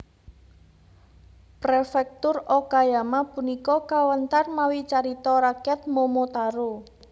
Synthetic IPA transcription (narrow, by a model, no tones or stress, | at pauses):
pɾefɛk̚t̪ʊrɔkajamapunikɔkawənt̪armawit͡ʃaɾit̪ɔɾakɛt̪̚momot̪aɾo